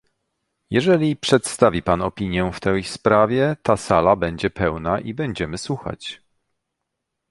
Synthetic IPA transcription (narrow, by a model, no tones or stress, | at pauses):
jɛʐɛlʲipʂɛt̪st̪avʲipanɔpʲiɲjɛft̪ɛjspɾavʲjɛt̪asalabɛɲd͡ʑɛpɛwnaʔibɛɲd͡ʑɛmɘswuxa̰t͡ɕ